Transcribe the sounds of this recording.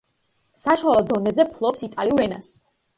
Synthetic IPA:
saʃwalˠɔd̪ɔnɛzɛpʰlˠɔpsit̪ʼaliuɾɛna̰s

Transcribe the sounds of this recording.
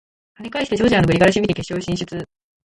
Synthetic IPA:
haɲʲikaiɕi̥tet͡ɕoːʑianobɯɾʲiɡaɾaɕibit̪ʲike̞ɕo̞ːɕĩɕɨt͡sɨ

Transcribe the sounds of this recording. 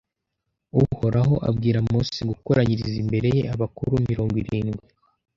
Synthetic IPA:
uho̞ɾʔaɦo̞ʔa̰bɡiːɾamusiɡukoɾaɲiɾizimbe̞ɾe̞je̞̰ʔaβakuɾumiɾo̞ːŋɡwiɾiːnɡwi

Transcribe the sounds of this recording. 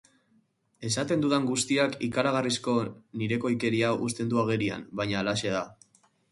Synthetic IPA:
e̞sat̪e̞nd̪uðaŋɡust̪iakikaɾaɣ̞arisko̞niɾe̞ko̞jke̞ɾiaʔust̪e̞nd̪uaɣ̞e̞ɾia̰mbajɲaːlaʃe̞ða

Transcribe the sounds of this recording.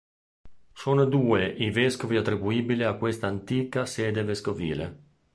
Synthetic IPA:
soːnod̪uːeʔiveskoviat̪ːɾibuiːbileakːwest̪aːnt̪iːkasɛːd̪eveskovḭːlḛ

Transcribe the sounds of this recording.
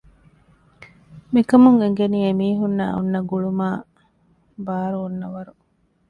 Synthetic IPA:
mikɐmuŋeŋ̆ɡeniːemiːɦunːa̰ːṵnːɐɡuɭumaː | baːɾuːnːɐʋɐɾu

